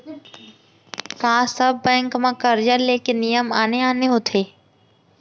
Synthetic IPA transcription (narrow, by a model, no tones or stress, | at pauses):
kãːsəbːɛ̃ːŋkmãkəɾd͡ʒəleːkenijəmaːneaːneɦoːt̪ʰeː